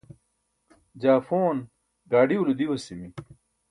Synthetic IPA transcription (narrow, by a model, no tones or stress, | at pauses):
d͡ʑaːfoːn | ɡaːɖiulud̪iwɐsimi